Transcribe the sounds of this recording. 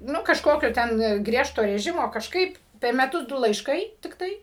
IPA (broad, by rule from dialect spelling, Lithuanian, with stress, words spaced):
ˈnʊ kɐʃˈkoːkʲoː tʲɛn ˈɡrʲiɛʃtoː rʲɛˈʒʲɪmoː kɐʃˈkɐɪp pʲɛr mʲɛˈtʊs ˈdʊ lˠɐɪʃˈkɐɪ tʲɪkˈtɐɪ